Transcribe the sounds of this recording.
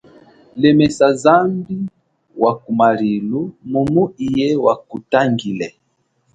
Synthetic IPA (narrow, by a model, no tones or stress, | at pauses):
lɛmɛsazambi | wakumaɾilumumuijɛwakutaŋɡilɛ